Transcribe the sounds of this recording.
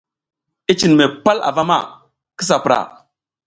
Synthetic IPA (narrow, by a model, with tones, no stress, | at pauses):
i˦t͡ʃi˨n˨me˨pa˦la̰˨va˦ma̰˦˨ | ki˦s̬a˨pɾa̰˨